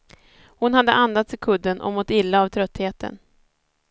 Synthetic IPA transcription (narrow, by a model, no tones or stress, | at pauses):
hʊnhad̪ːəʔand̪at̪sɪkʰɵd̪ːənʔɔ̰mɔt̪ːɪlːaːvt̪ʰɾœt̪ːheːt̪ʰə̰n